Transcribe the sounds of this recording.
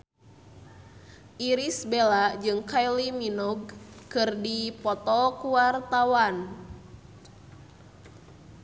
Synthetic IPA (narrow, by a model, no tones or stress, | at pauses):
ʔiɾisbelad͡ʒɨŋkajliminuɡ̚kɨrdipɔt̪ɔkuart̪awan